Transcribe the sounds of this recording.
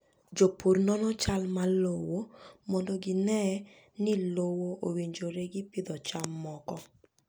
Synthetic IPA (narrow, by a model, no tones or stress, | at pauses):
d͡ʒopurnɔnɔt͡ʃalmalowomɔndoɡɪnɛ | nɪlowoʔowiɲd͡ʒoɾeɡɪpɪd̪ɔt͡ʃamːɔkɔ